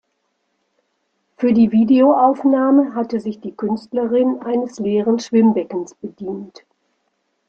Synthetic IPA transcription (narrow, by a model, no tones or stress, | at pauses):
fyːɐdiːviːdeoʔaʊfnaːməɦatəzɪçd̥iːkʰʏnstləʁɪnʔaɪnəsleːʁənʃv̥ɪmbɛkn̩sb̥ədiːnt